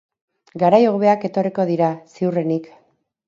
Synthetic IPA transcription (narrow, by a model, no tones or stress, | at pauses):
ɡaɾajoɣoβe̞ake̞t̪o̞riko̞ðiɾasiure̞nik